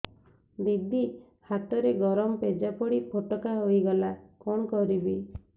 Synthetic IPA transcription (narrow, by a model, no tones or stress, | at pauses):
d̪id̪ʱi | hat̪ɔɾeɡɔɾɔmɔped͡ʒapɔɽipʰoʈɔkaɦojɡɔlakɔɳ̃ɔkɔɾibi